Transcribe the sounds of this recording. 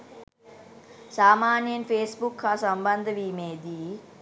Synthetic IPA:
saːmaːnjɐmpʰeːsbukʰːasɐmbɐnd̪ʱɐʋiːmeːd̪i

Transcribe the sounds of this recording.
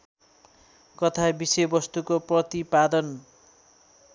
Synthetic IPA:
kʌt̪ʰabisejbʌst̪ukoprʌt̪ipad̪ʌn

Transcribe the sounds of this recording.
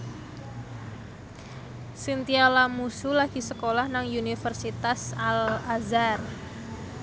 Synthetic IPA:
sint̪ialamusulaɡ̥i̤səkolahnaŋunifərsit̪asalazar

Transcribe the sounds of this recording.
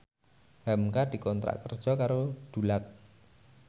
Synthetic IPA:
hamkad̪̥i̤kɔnt̪ɾa̰ʔkərd̥ʒ̥ɔ̤kaɾod̪̥ulak̚

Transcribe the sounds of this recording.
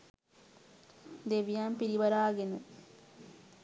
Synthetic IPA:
d̪eʋijaːmpiɾiʋɐɾaːɡenə

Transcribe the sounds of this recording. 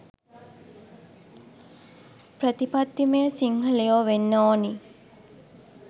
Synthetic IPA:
prət̪ipad̪ːimejəsiŋhəlejoʋenːoːni

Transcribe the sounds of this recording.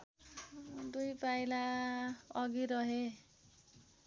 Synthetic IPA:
d̪ujpajla | ʌɡiɾʌɦe

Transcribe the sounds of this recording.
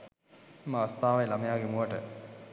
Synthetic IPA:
maːʋɐst̪aːʋajlamejaːɡemuəʈə

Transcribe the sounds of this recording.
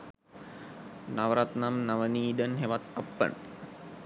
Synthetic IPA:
naʋəɾat̪namnaʋəniːd̪ənɦeʋat̪ɐpːə̰ɳ

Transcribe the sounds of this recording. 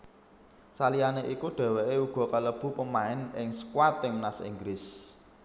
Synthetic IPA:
salianeʔikuɖ̥ɛ̤weʔeuɡ̥ɔ̤kaləb̥ṳpəmaɪnɪŋsə̥kwat̪ɪŋmnasḭŋɡɾɪs

